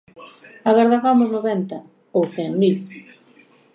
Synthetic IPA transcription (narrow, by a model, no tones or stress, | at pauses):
aɣaɾðaβamʊznoβɛnt̪ɐ | owθɛŋmil